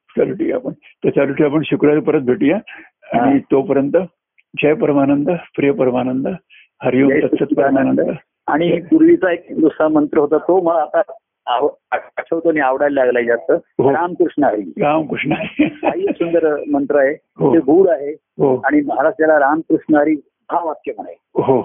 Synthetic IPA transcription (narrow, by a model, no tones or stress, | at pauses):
t͡ɕaluʈḭa̰pəɳ | t̪ət͡ɕaluʈʰiap̬əɳɕukɾat͡spəɾət̪̚bʱeʈiːja | ãit̪opəɾjənt̪ə | d͡ʑəjpəɾmanənd̪əpɾijəpəɾmanənd̪ə | həɾjuət͡ɕʰːət̪pəɾmanənd̪ə | a̰ɽ̃iɦiːpuɾʋit͡saek̚d̪usamənt̪ɾəɦot̪əːt̪om̤əlaːt̪a | a | aat͡ɕʰəʋt̪oɽ̃iaʋɽalːlaɡlaid͡zat̪əːɦoɾamkɾuʂɳəɦaɾḭːɡamkuʂɳaaisund̪əɾmənt̪ɾəaɦe | ɦoebʱuːɽaɦe | ɦoaɽ̃iməɦaɾaʂʈjalaɾamkɾuʂɳəɦaɾiː | bʱaʋat̪̚kjeməɽajeɦo